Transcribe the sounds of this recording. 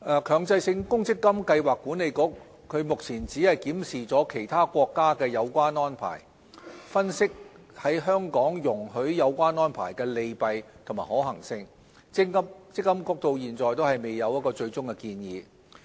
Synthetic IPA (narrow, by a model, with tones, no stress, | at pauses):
ʔɛː˨˩kʰœː˨ŋt͡sɐ˧jsɪ˧ŋkʊ˥ŋt͡sɪ˥kːɐ˥mkɐ˧jwaː˨kːuː˨˥ne˨˧jkʊ˥k̚ | kʰɵ˨˧ɥmʊ˨k̚t͡sʰiː˨˩nt͡siː˨˥hɐ˨jkiː˨˥msiː˨˩t͡sɔː˨˥kʰe˨˩jt̪ʰaː˥kʷɔː˧kːaː˥kɛː˧jɐ˨˧wkʷaː˥nɔː˥npʰa̰ː˨˩j | fɐ˥nsɪ˥k̚ | hɐ˨˥jɦœː˥ŋkɔː˨˥ŋjʊ˨˩ŋhɵ˨˥ɥjɐ˨˧wkʷaː˥nɔː˥npʰaː˨˩jkɛː˧le˨˧jpɐ˨jt̪ʰʊ˨˩ŋmaː˨˩hɔː˨˥ɦɐ˨˩ŋsɪ˧ŋ | t͡sɪ˥ŋɐ˥mt͡sɪ˥k̚ːɐ˥mkʊ˥k̚t̪o˧wjiː˨˩nt͡sɔː˨jt̪̬o˥hɐ˨jme˨˩jːɐ˨˧wjɐ˥t̚kɔː˧t͡ʃɵ˧ɥt͡sʊ˥ŋkɛ˧kiː˧njiː˨˧